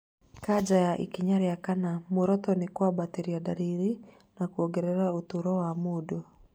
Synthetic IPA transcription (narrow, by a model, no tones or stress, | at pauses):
kad͡ʒajaʔḭkiɲaɾɛakanamoɾɔtɔnekwabateɾiadaɾiɾi | nakuɔɡɛɾɛɾaotuɾɔwamodo